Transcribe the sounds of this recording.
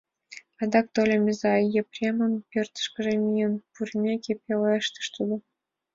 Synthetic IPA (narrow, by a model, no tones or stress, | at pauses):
ɑd̪ɑk̚t̪olʲemʲezɑjeprʲemə̆npʲørt̪ə̥̆ʃkə̆ʒemʲijənpurʲmʲekʲepʲeleʃt̪ə̥ʃt̪ud̪ɤ̆